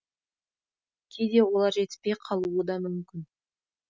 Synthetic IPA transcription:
kʲʰejd̪e̞wo̞lˠɑɾʒe̞t̪ɪ̥spe̞jqʰɑlˠuəd̪ɑmʏmkʲɪn

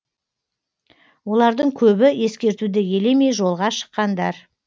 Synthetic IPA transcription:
wo̞lˠɑɾd̪əɴkʲʰɵbɪe̞skʲe̞ɾt̪ud̪ɪje̞lemejʒo̞lˠʁɑʃə̥qːɑnd̪ɑɾ

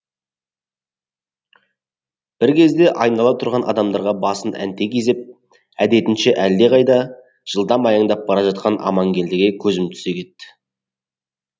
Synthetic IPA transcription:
b̥ɪɾkʲʰe̞zd̪e̞ʔɑjnɑlˠɑt̪ʰʊɾʁɑnʔɑ̰d̪ɑmd̪ɑɾʁɑbɑsənʔæ̰nt̪e̞kʲezɪp̚ | æd̪e̞t̪ɪnʃeʔælːe̞ʁʰɑjd̪ɑ | ʒ̥əlˠd̪ɑmɑjɑɴd̪ɑp̚bɑɾɑʒɑt̪̚qɑnɑ̰mɑŋɡʲe̞nd̪ɪɡʲe̞kʲʰɵzɪmt̪ʰʏ̥se̞kʲʰe̞t̪ːɪ̥

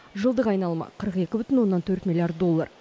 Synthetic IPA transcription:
ʒəlˠd̪əqɑjnɑlˠmɑ̰qʰəɾəqe̞kʲɪbʏt̪ɪnwo̞nːɑnt̪ʰɵɾt̪milʲˠijart̪̚d̪o̞lˠːa̰r

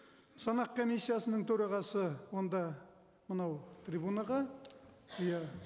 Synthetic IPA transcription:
sɑnɑqkʰo̞mijsːijasənəɴt̪ʰɵɾɑʁɑsəwo̞nd̪ɑ | mənɑwt̪ʰrʲibunɑʁɑ | jɑ

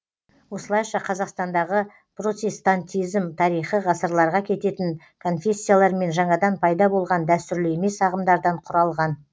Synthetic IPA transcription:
wo̞səlˠɑjʃɑqʰɑzɑqst̪ɑnd̪ɑʁə | pro̞t̪ʲe̞st̪ant̪ʲijzmt̪ʰɑɾijχəʁɑsəɾlˠɑɾʁɑkʲʰe̞t̪e̞t̪ɪŋ | kʰo̞nfʲe̞sʲːijalˠɑɾme̞nʒɑɴɑd̪ɑnpʰɑjd̪ɑbo̞lˠʁɑnd̪æst̪ʏɾleme̞sɑʁəmd̪ɑɾd̪ɑɴqʰʊɾɑlˠʁɑn

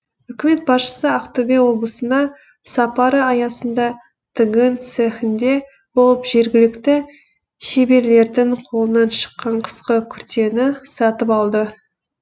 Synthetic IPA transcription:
ʏkʲɪme̞t̪̚bɑsʃə̥səɑqt̪obewo̞blˠəsənɑ | sɑpɑɾəɑjɑsənd̪ɑ | t̪ʰɪɡənt̪sexɪnd̪e̞ | bo̞lˠəpʒ̥e̞ɾɡʲɪlɪkt̪ɪ | ʃe̞be̞ɾle̞ɾd̪ɪŋqʰo̞lˠənɑnʃə̥qːɑɴqʰə̥sqəkʲʰʏɾt̪e̞nɪsɑt̪əpɑlˠd̪ə

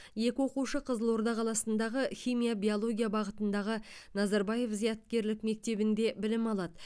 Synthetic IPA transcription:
je̞kʲɪwo̞quʃəqʰəzəlˠwo̞ɾd̪ɑqʰɑlˠɑsənd̪ɑʁəxʲijmijabʲijo̞lˠo̞ɡʲijabɑʁət̪ənd̪ɑʁənɑzɑɾbɑje̞fzijɑt̪̚kʲe̞ɾlɪkme̞k̚t̪e̞bɪnd̪e̞bɪlɪmɑlˠɑd̪ə

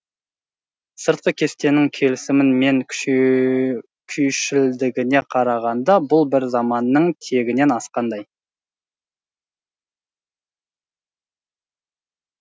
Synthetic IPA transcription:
səɾt̪̚qəkʲʰe̞st̪e̞nɪŋkʲʰe̞lɪsɪmɪnme̞ŋʲʰ | kʲʰʏjʃɪld̪ɪɡʲɪne̞qʰɑɾɑʁɑnd̪ɑbʊlˠbɪɾzɑmɑnːəɴt̪ʰe̞ɡʲɪne̞nɑsqɑnd̪ɑj

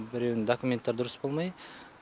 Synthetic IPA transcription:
bɪɾewnd̪akumʲe̞nt̪ːɑɾd̪ʊɾʊsbolˠmɑj

